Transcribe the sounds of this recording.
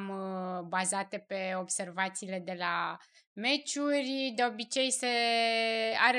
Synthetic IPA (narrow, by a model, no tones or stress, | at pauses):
mbazat̪e̞pe̞o̞bse̞rvat̪siːle̞d̪e̞la | me̞t͡ʃurʲd̪e̞o̞bit͡ʃe̞jse | aɾe